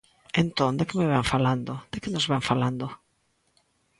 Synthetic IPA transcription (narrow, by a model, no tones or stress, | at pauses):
ẽnt̪õnd̪ekɪmeβaɱfaland̪od̪̥ekɪnozβaŋfaland̪o